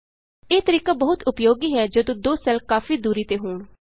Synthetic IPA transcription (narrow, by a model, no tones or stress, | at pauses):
eːt̪əɾiːkaːbəɦʊt̪ʊpjoːɡiːɦɛːd͡ʒod̪õːd̪oːsɛlkaːfiːd̪uːɾiːt̪eːɦoːɳ